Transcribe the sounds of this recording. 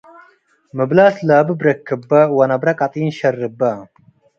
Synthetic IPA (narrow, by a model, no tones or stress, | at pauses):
mɨblaːslaːbɨbɾɐkʰːɨbːɐwɐnɐbɾɐkʼɐt̪ʼiːnʃɐrːɨbːɐ